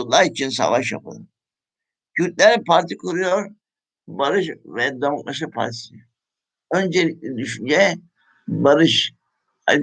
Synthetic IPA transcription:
ulːˠaɾit͡ʃʰinsa̰ʋaʃja̰pʰa̰lˠɯ̰n | cʰyɾt̪̚ʼlʲɛɾipʰaɾt̪ʰikʰuɾujoɾ | baɾɯʃvɛd̪amuk̚lˠaʃɯpʰa̰ɾt̪ʰi̥s | ønd͡ʒɛɛd̪yʃynd͡ʒɛ | baɾɯʃ | a̰

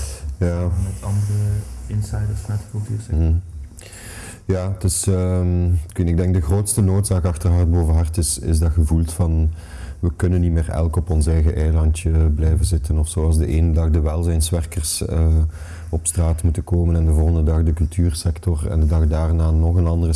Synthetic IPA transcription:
jaːmɛtɑndərəɪnsɛjdəsmatəklˠtyːsɛ | jaːtɪsəmknɪɡdɛŋɡ̚dəɣroːtstənoːtsaːkɑxtərɦɑrd̚boːvənɦɑrtɪsɪ̰zdɑɣəvulˠtfɑn | ʋəkɵnənːitmeːrɛ̰lˠkɔpɔnsɛjɣəʔɛjlɑntjəblɛjvənzɪtənɔfsoːɑlˠzdəʔeːnədɑɣdəʋɛlˠzɛnsʋɛrkərsə | ɔpstraːtmutənkoːmənɛndəvoːlˠɣəndədɑxdəkɵlˠtʰyːrsɛktɔrɛ̰ndədɑɣdaːrnaːnɔxənɑndərə

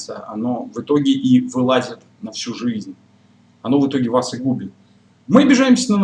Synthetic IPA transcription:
sɨ̰ə̰ɐ̰no̞vɨt̪o̞ɡʲɪʔivɨlˠazʲɪt̪ | nɐfsʲuʐɨzʲnʲ | ɐno̞vɨt̪o̞ɡʲɪvasɨɡubʲɪt̪̚ | mɨbʲɪʐajɪmsʲənən

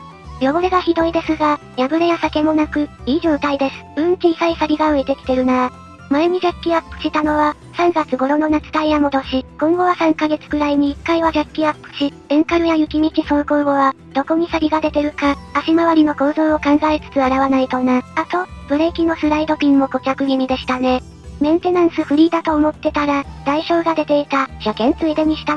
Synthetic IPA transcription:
jo̞ɡoɾeɡaçid̪o̞id̪e̞sɨɡa | jabɯ̟ɾejasake̞mo̞nakɯ̟iːʑo̞ːt̪aid̪e̞sɨ̥b̥ɯ̟̃ŋkʲiːsaisaɾʲiɡaɯ̟et̪e̞kʲi̥t̪e̞ɾɯ̟naa | maeɲ̟iʑakʲːiapːɯ̟̥ɕit̪ano̞βa | sãŋɡat͡sɨɡo̞ɾo̞no̞nat͡sɨ̥t̪aijamo̞d̪o̞ɕikõ̞ŋɡo̞βasãŋkaɡe̞t͡sɨ̥ɡɯ̟ɾaiɲ̟iːkːaiβad͡ʑakʲːiapːɯ̟̥ɕi | ẽŋkaɾɯ̟jajɯ̟kʲimʲikʲiso̞ːko̞ːɡo̞βa | d̪̥o̞ko̞ɲ̟isaɾʲiɡad̪e̞t̪e̞ɾɯ̟kaːɕimaβaɾʲino̞ko̞ːzo̞ːokãŋɡaet͡sɨ̥t͡sɨaɾaβanait̪o̞naat̪o̞b̥ɯ̟ɾe̞kʲino̞sɨɾaid̪o̞pʲĩŋːo̞ɡo̞kʲakɯ̟ɡʲiɲ̟ʲid̪e̞ɕi̥t̪ane̞ | mẽ̞ñt̪e̞nãɰ̃sɨɸɯ̟ɾʲiːd̪at̪o̞ːmo̞t̪ːe̞t̪aɾad̪̥aiɕo̞ːɡad̪e̞t̪e̞it̪aɕakẽ̞nt͡sɨid̪e̞ɲ̟iɕi̥t̪a

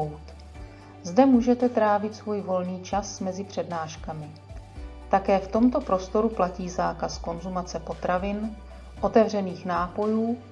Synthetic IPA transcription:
wt̪ | zdɛmuːʒɛt̪ɛt̪ɾaːvɪt̪svuːjvo̞lniːt͡ʃasmɛzɪpr̝̥ɛdnaːʃkamɪ | t̪akɛːft̪o̞mt̪o̞pɾo̞st̪o̞ɾuplaciːzaːkasko̞nzumat͡sɛpo̞t̪ɾavɪn | ʔo̞t̪ɛvr̝ɛniːxnaːpo̞juː

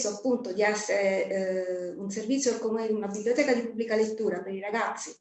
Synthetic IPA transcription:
soapːunt̪od̪iɛsːeɾe | unservit̪sːjokomeunabibljot̪ɛːkad̪ipubːlikalet̪ːuːɾapeɾiɾaɡat̪sːi

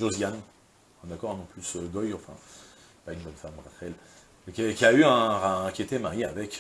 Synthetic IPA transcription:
ʒozjan | ɛ̃d̪akɔʁɛ̃nɔ̃plysøɡɔjɑ̃fɛ̰̃ | paynbɔnfamʁafɛl | kkʲiayɛ̃ʁakʲiet̪ɛmaʁia̰vɛk

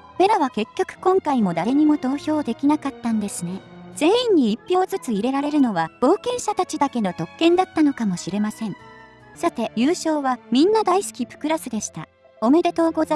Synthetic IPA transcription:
me̞ɾaβake̞kʲːo̞kɯ̟̥kõ̞ŋkaimo̞d̪aɾe̞ɲ̟imo̞d̪o̞ːço̞ːd̪e̞kʲinakat̪ːãnd̪e̞sɨne̞z̥e̞ːĩɲ̟ːiipʲːjo̞ːzɨt͡sɨiɾe̞ɾaɾe̞ɾɯ̟no̞βaɡ̥o̞ːkẽ̞ɰ̃ɕat̪at͡ɕid̪ake̞no̞t̪o̞kːẽ̞nd̪at̪ːano̞kamo̞ɕiɾe̞masẽ̞ɴ | sat̪e̞jɨ̟ːɕo̞ːβamʲĩnːad̪aisɨ̥kʲiɸɯ̟̥kɯ̟ɾasɨd̪e̞ɕi̥t̪a̰ | o̞me̞d̪e̞t̪o̞ɡo̞z

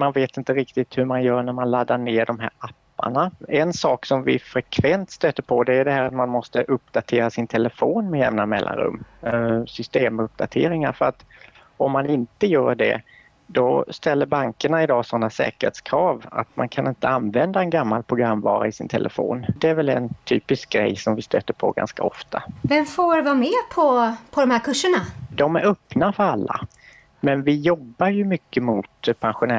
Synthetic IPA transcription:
manveːt̪ɪnt̪əɾɪkt̪ɪt̪hɵmanjœːɳæɾmanlad̪ːaɳeːɖɔmɦæ̰ːɾapːa̰ɳaɛnsɑːksɔmvɪ̰fɾɛkʰvɛnt̪st̪øːt̪əɾpʰɔd̪ɛːɵd̪ɛɦæːɾat̪manmɔst̪əʔɵpːd̪̥at̪ʰeːɾasɪnt̪ʰɛləfoːnmɛjɛmnamɛlːʔa̰nɾɵ̰mːsʏst̪eːmɔɵp̚ːd̪a̰t̪ʰḛːɾɪŋaɾfœɾat̪ | ɔmːanɪnt̪əjœːɖɛ̰ | d̪ɔst̪ɛlːəɾbaŋkəɳaɪd̪ɑːsɔnːasɛ̰ːkəɾ̥hḛːt̪skʰɾɑːva̰t̪mankʰanɪnt̪əanvɛnd̪aɛnɡamːalpʰɾʊɡɾamːvɑ̰ːɾaɪsɪnt̪ʰɛlʔəfo̰ːnd̪ɛæɾvɛlɛnt̪ʰyːpɪsk̚ɡɾɛ̰jːsɔmvɪst̪ø̰ːt̪ːəɾpʰɔ̰ɡa̰nska̰ɔ̰ft̪ʰavɛmfoːvɑmeːpʰɔpʰɔd̪ɔmhæːɾkɵʂəɳad̪ɔmæɾœpnafœɾalːa̰ | mɛnvɪjɔbːaɾjɵmʏkːəmʊt̪pʰɛnɧʊnɛ

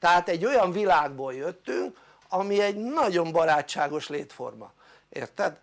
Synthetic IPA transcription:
t̪ɛɦaːt̪ɛɟːo̞jɒɱvilaːɡ̚boːljøt̪ːyŋk | ɒmiɛɟnɒɟo̞mbɒɾaːt͡ʃːaːɡo̞ʃlḛːt̪fo̞̰rmɒ̰ | ḛːrt̪ɛd̪

